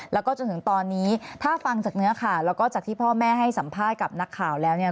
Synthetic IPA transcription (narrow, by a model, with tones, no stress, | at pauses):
lɛː˦˥wkɔː˥˩t͡ɕo˧nt̪ʰɯ˩˦ŋt̪ɔː˧nːiː˦˥t̪ʰaː˥˩fa˧ŋt͡ɕaː˨˩k̚nɯ˦˥ɐkʰaː˧˨˩wlɛː˦˥wkɔː˥˩t͡ɕaː˨˩k̚t̪ʰiː˥˩pʰɔː˥˩mɛː˥˩ɦa˥˩jsa˩˦mpʰaː˥˩t̪̚ka˨˩p̚na˦˥kʰːaː˨˩wlɛː˦˥wni˥˩ɐ